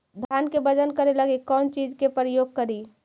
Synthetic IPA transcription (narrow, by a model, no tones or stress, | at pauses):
d̪ʱjankebəd͡ʒənkəɾeləɡekɔnt͡ʃid͡ʒkepɾəjoɡ̚kəɾi